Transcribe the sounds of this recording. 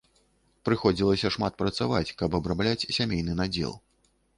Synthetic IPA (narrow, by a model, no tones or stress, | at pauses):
pɾɨxɔd͡zʲilˠɐsʲɐʂmat̪̚pɾɐt̪savat͡sʲkɐbɐbɾablʲat͡sʲsʲamʲejnɨnad͡zʲɛ̰lˠ